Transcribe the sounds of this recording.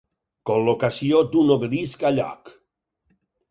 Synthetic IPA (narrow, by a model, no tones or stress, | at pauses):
kolokasiod̪unoβɾiskaʎa̰k